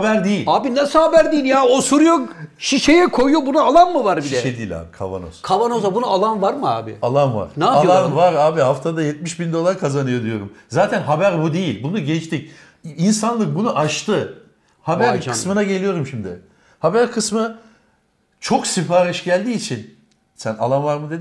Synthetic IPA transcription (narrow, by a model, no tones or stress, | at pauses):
habæɾd̪ejilʲaːbinasɯhabæɾd̪ijilʲjaːosuɾjokʃiʃejɛkʰo̞jjobunaalˠanmɯvaɾbiʃliɛʃed̪iːilʲa̰ːbikʰa̰va̰no̰z̥kʰavanozabunaalˠanvaɾmɯa̰ːbɪ̰alˠanva̰ɾ̥naalˠanvaɾaːbiɦaft̪ʰad̪ajɛt̪̚miʃbind̪o̞lˠaɾkʰazanɯjo̞d̪ijo̞ɾumzaːt̪ʰænɦabæɾbud̪e̞jilʲbunuɟɛt͡ʃt̪ic | insanlˠɯk̚bunuʔat͡ʃt̪ʰɯ | habæɾʰɯssmɯnaɟe̞lʲijo̞ɾumʃimd̪ɪ | habæɾkʰɯsmɯ | t͡ʃʰo̞ksipaːɾiʃɟælʲd̪iːt͡ʃʰin | sæna̰lˠanvaɾmɯd̪e̞d̪ɪ